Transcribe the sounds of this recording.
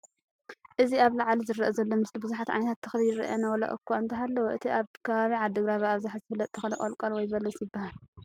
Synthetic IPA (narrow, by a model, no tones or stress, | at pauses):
ʔɨziaβlaʕlizɨɾɐ̰ʔɐzɐlːo̞mɨst̪ʰibɨzuħat̪ʕa̰jnɐt̪ʰat̪ʰːɐxljɾɐ̰ʔɐnawɐlɐ̰ʔʼɨ̰kʰːoɨnt̪ʰɐɦalːɐwoʔɨt̪ʰiʔaβkʰɐβaβiʕad̪ːɨɡɾaβaaβzaħazɨfɨlːɐt̪ʼt̪ʰːɐxɐlɐkʼɐlkʼɐlwɔjβɐlɐsjɪbːahal